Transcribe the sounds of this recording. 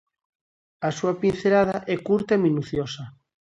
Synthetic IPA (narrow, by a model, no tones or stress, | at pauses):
asuapinθelaðaʔɛkuɾt̪aemĩnuθjosa